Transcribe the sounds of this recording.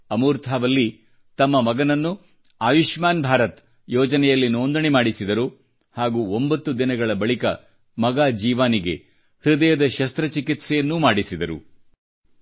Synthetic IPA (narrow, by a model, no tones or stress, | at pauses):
ɐmuːɾt̪ʰaːʋɐlːi | t̪ɐmːɐmɐɡɐnɐnːu | aːʋiʃmaːnbʱaːɾɐt̪ | jɔːd͡ʒɐnɛjɐlːinoːnd̪ɐnemaːɽisid̪ɐɾu | haːɡuːombɐt̪ːud̪inɐɡɐɭɐbɐɭikɐ̰ | mɐɡaːd͡ʒiːʋaːniɡe̞̰ | hɾud̪ɐjɐd̪ɐʃɐst̪ɾɐt͡ʃikit̪sɛjɐnːumaːɽisid̪ɐɾṵ